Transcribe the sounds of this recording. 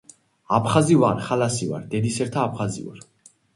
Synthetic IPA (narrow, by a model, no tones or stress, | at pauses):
apʰχazivaɾχalasiva̰ɾd̪ɛd̪isɛɾt̪ʰaːpʰχazḭva̰ɾ